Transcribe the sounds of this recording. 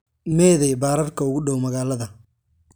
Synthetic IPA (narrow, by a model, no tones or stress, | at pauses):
mɛːðɛjbaːɾɐrkʰɐʊɣʊɗɔwmɐɣaːlɐðɐ